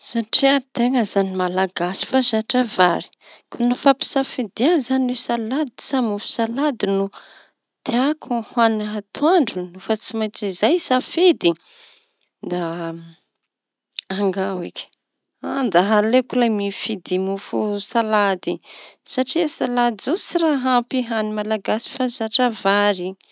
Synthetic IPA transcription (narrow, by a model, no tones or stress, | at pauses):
saʈ͡ʂiat̪eŋəzanimalaɡasi̥fasaʈ͡ʂavaɾi̥ | kunufapi̥safed̪ianzaniwesalad̪i̥samufu̥salad̪inu | t̪iakʰuhanaɦat̪uaɳɖ͡ʐunufat͡simajt͡sizajsafed̪i | d̪a | aŋɡawikʲ | and̪aɦalekulamifid̪imufusalad̪isaʈ͡ʂiasalad̪izot͡siɾaɦampiɦanimalaɡasi̥fazaʈ͡ʂavaɾi